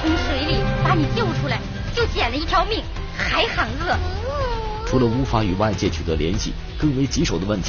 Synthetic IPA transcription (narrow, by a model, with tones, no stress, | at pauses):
i˧˥ŋʂwe˧˥ɪli˥˩pa˧˥ni˨˩t͡ɕjo˥˩ʊʈ͡ʂʰu˥la˧˥ɪ | t͡ɕjo˥˩ʊt͡ɕjɛ˨˩nlə˦i˥˩t̪ʰjɑ˧˥ʊmi˥˩ŋ | xa˧˥ɪxa˧˥ŋkɤ˥˩ | ʈ͡ʂʰu˧˥lə˧u˥fa˥y˨˩wa˥˧ɪt͡ɕjɛ˥˩t͡ɕʰy˨˩d̪ə˧˥ljɛ˧˥nɕḭ˥˩ | kɤ˥˩ŋwe˧˥ɪt͡ɕi˧˥ʂo˨˩ʊd̪ə˦ə˥˩nt̪ʰ